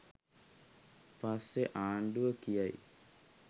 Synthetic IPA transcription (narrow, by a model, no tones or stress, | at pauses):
pasːeʔaːɳɖuʋəkijaj